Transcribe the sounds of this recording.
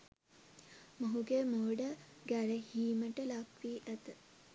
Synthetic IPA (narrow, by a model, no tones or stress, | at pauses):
məɦuɡemoːɖɐ | ɡæɾəhiːməʈəlakʋiːʔɐt̪ə